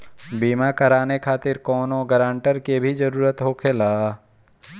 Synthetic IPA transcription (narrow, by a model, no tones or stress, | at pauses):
biːmakɐɾaːnekʰaːt̪ɪɾkɔːnõɡəɾãːɳʈəɾkebʱid͡ʒɐɾuːɾət̪ɦokʰelaː